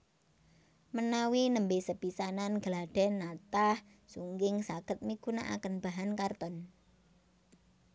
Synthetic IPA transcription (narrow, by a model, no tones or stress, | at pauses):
mənawinəmbesəpisananɡ̥əlaɖ̥ɛ̤nːat̪ah | suŋɡɪŋsaɡ̥ət̪̚mikunaʔa̰kənb̥a̤ɦankart̪ɔn